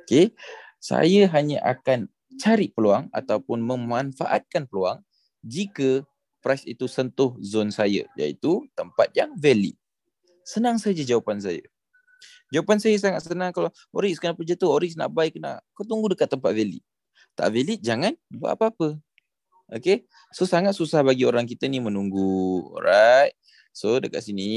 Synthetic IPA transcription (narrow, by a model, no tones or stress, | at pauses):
oke | sa̰jəɦaɲaʔakan | t͡ʃaɾiʔ̚pəluaŋa̰t̪awpʊnməmanfa̰ʔat̪̚kanpəloa̰ŋ | d͡ʒikə | pɾasḭt̪usənt̪ʊhzonsajə̰ja̰ḭt̪ut̪əmpat̪̚jaŋvɛlḭt̪̚ | sənaŋsad͡ʒad͡ʒawapans̬ajə̰ | d͡ʒawapansajəs̬aŋat̪̚sənaŋkalaw | oɾikskənapəd͡ʒət̪ʊɦoɾiksna̰ʔbaikəna̰ʔkawt̪uŋɡudəkat̪ːəmpat̪̚vɛlḭt̪̚ | t̪a̰ʔvelit̪̚d͡ʒaŋanba̰ʔa̰pəapə | ʔoke | sosaŋat̪̚susahbaɡioɾaŋk̬it̪ənimənuŋɡṵɾaj | sodəka̰t̪̚sini